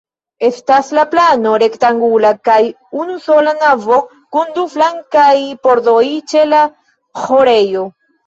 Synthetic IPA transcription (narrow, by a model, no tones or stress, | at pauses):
e̞staslaplano̞ɾe̞ktaŋɡulakaj | unuso̞lanavo̞ | kunduflaŋkajpo̞ɾdo̞jt͡ʃe̞la | xoɾe̞jo̞